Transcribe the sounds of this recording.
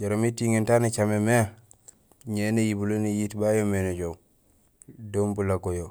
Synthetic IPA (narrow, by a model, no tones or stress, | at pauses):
d͡ʒaɾomitiŋintanit͡ʃameme | ɲenejibulonijitbajomened͡ʒo | dombulakojo